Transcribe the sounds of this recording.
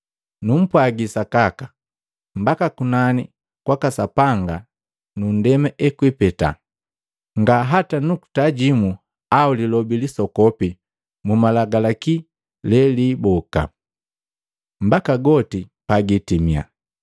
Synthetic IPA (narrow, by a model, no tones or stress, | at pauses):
num̩pwaɡisakakḁ | m̩bakakunani | kwakasapaŋɡa | nundɛmɛʔɛkwipɛta̰ | ŋɡaɦatanuku̥taɟimu | aulilɔbilisɔkɔpi | mumalaɡalaki | lɛliːbɔka̰ | m̩bakaɡɔtipaɡitimia̰